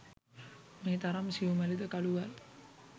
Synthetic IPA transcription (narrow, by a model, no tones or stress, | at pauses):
meːt̪aɾɐmsijumælid̪əkaɭuʋal